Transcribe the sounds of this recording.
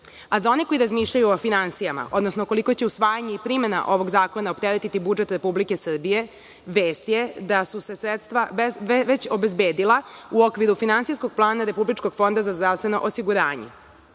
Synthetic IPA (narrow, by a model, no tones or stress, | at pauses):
azao̞niko̞jiɾazmiːʃʎajuofinansijama̰ʔo̞d̪no̞snoko̞liko̞t͡ɕe̞usʋaːjaɲe̞ipɾime̞na̰ʔo̞ʋo̞ɡzaːko̞naopt̪eɾet̪it̪ibud͡ʒet̪ɾe̞publike̞sr̩bije̞ | ʋe̞ːst̪je̞d̪asuse̞sɾet̪st̪ʋaeʋet͡ɕobe̞zbe̞ːd̪ilˠauo̞kʋiɾufinansijsko̞ɡ̚plˠaːnaɾe̞publit͡ʃko̞ɡ̥fo̞nd̪azazd̪ɾaʋst̪ʋe̞no̞̰ʔosiɡuɾaːɲḛ